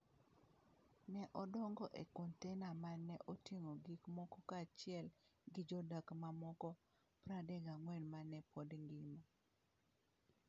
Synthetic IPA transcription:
nɛʔɔdɔŋɡɔʔekɔntɛnamanːɛʔoteŋoɡikmɔkɔkat͡ʃɪɛlɡɪd͡ʒɔdakmamɔkɔ | pɾadɛɡaŋwɛnmanɛpɔdŋɡima

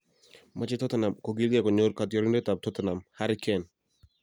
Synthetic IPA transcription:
mat͡ʃet̪ɔt̪anamkoɡildɛkɔɲoɾkat̪jɔɾindet̪ap̚t̪ʰɔt̪anamhaɾikʰɛn

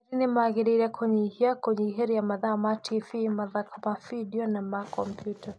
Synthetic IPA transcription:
ɾinemaɣeɾeɾakʰwoɲɛihiakoɲiɦeɾijamaðamatʰivimaðakamavidiɔnamakɔmpʰjuta

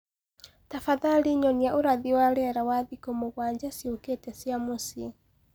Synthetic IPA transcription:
tafaðaliɲɔniaʔuɾaðiwaɾɛɾawaðikɔmoɣwaɲd͡ʒasioketɛsjamusi

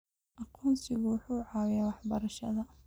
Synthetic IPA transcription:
ʔɑqʰuːnsɪɣʊwʊħuːʕɑːwɪjaːwɑħbɐɾɐʃɐ̰ðɐ

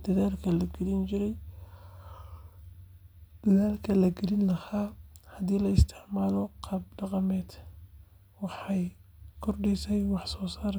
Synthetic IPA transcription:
d̪̥ɐðaːlkʰɐlɐɡɛlɪnt͡ʃɪɾɛj | d̪̥ɐðaːlkʰɐlɐɡɛlɪnlɐhaːhɐd̪iːlɐɪst̪ʰɪʕmaːlɔqɑb̚ɖɑqɑmɛːd̪ | wɑħɑjkʰɔrɖɛjsɛjwɑħsɔːsaːr

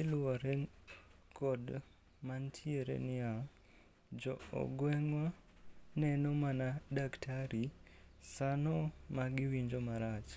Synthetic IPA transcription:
ɪlʊwɔɾe | kʰɔd | mantʰieɾḛnɪja | d͡ʒɔ̰ɔ̰ɡwɛŋwa | nɛnɔmanadaktʰaɾi | sanɔmaɡɪwiɲd͡ʒomaɾat͡ʃ

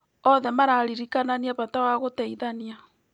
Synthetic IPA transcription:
ɔðɛmaɾaɾiɾikananiaβatawaɣoteiðania

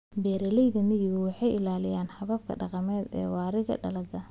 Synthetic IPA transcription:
bɛːɾɐlɛjðɐmɪjɪɣʊwɑħɑjʔɪlaːlɪjaːnħɐβɐb̚kʰɐ̰ɖɑqɑmɛːd̪ɛ̰ːwɑːɾɪɣɐ̰ɖɐlɐɡɐ

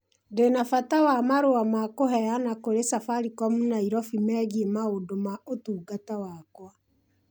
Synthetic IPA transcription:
ndenafatawamaɾoamakoɦɛjanakoɾesafaɾikɔmunaiɾɔfimɛɣiemaodomaotuːɡatawakwa

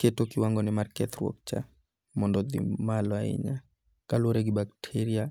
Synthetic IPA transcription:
ketokɪwaŋɡɔnɪmarkɛt̪rwɔ̰k̚t͡ʃa̰ | mɔndɔd̪ɪ̰malɔaɪ̰ɲa | kalwoɾeɡɪbaktʰeɾia

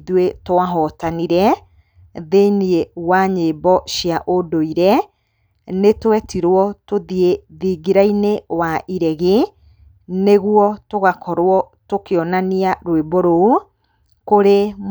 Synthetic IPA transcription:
ðwetoaɦɔtaniɾɛ | ðeniewaɲeːbɔʃiaʔodoiɾɛ | netowɛtiɾwɔtoðieðiːɡiɾainewaʔiɾɛɣe | neɣuɔtoɣakɔɾwɔ | tokeɔnaniaɾweboɾoo | koɾe

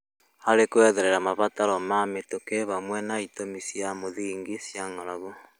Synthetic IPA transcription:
haɾekoɛðeɾɛɾamaβataɾɔmametokeβamwɛnaitomisjamoðiːŋɡisjaŋɔɾaβo

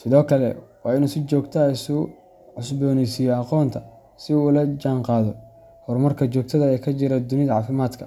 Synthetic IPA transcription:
sɪðɔːkʰɐlɛ̰wɑːɪnusɪt͡ʃɔːɡt̪ʰɐɛjsu | ʕʊsbɔːnɛsijɔɑqɔːnt̪ʰɐ | sɪuːlɐd͡ʒaːɴqɑːðɔ | hɔrmɐrkʰɐt͡ʃɔːɡ̚t̪ʰɐðɐɛːkʰɐt͡ʃɪɾɐd̪ʊnɪðɐʕɑːfɪmaːd̪kʰɐ

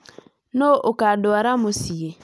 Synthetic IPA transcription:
noʔokadoaɾamosiɣe

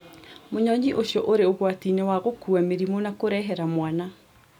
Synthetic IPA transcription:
moɲɔɲiʔoʃjɔʔoɾeoɣwatinewaɣokuameɾimonakoɾɛɦɛɾamwana

